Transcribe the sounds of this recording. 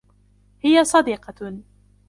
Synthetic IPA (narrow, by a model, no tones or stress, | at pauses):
hɪjasˤɑd̪iːqɑ